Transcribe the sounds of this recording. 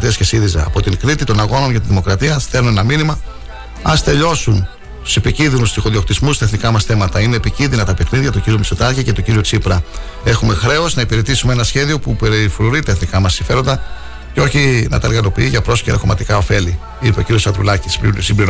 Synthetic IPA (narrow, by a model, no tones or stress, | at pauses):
t̪iɐsce̞siðizɐ̰ːpo̞t̪iŋkɾit̪it̪o̞nɐɣo̞no̞nʝɐt̪inðimo̞kɾɐt̪iɐst̪eɾnoenɐminimɐ | ɐst̪e̞ʎo̞sun | t̪u̥se̞picinðinust̪iɣo̞ðio̞k̚t̪izmust̪ɐe̞θnikɐmɐsθe̞mɐt̪ɐineːpicinðinɐt̪ɐpe̞xninðʝɐt̪oɟiɾiomisot̪ɐɾcice̞t̪oɟiɾiot͡sipɾɐ | e̞xume̞xɾe̞o̞znɐipiɾe̞t̪isumee̞nɐsçe̞ðio̞pupeɾfuɾuɾit̪ɐeθnikɐmɐsːiɱfe̞ɾo̞nd̪ɐ | ceo̞çinɐ̰t̪ɐeɾɣɐlo̞piiʝɐpɾo̞sceɾɐ̰ko̞mɐt̪ikɐo̞fe̞li | ipeo̞ciɾio̞sɐnd̪ɾṵlɐcissimbliɾ